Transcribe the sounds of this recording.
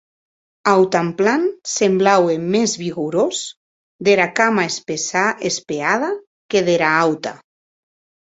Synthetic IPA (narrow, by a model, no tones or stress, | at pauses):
awt̪amplansemblawemezβiɣuɾos | d̪eɾakamaespesaespeað̞a | keðeɾaawt̪a